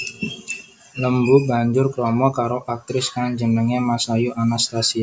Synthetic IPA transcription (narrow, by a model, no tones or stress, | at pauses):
ləmbubaɲd͡ʒʊrkɾɔmɔkaɾoʔak̚t̪ɾɪskaŋd͡ʒənəŋemasajuʔanast̪asia